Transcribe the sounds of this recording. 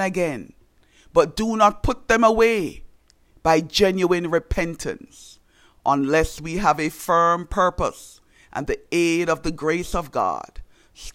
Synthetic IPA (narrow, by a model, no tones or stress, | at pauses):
ɨɡɛ̃n | b̥ʌt̚d̥ənət̚pʰʊt̪̚ðɨ̃məweɪ | b̥aɪd͡ʒɛ̃njuɨ̃nɹɨpʰɛ̃ntʰɨ̰̃ns | ʔə̃nlɛswiəvɨfɜ̃˞mpʰɜ˞pə̰s | ʔə̰̃nðieɪɾʌvðɨɡɹeɪsʌvɡɑ̰d̥ | s